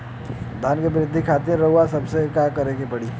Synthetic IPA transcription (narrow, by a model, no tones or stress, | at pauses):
d̪ʱaːnkebɪɾɪd̪ʱːikʰaːt̪eɦɛ̃ɾɐɦuasɐbsekaːkɐɾekebɐɽi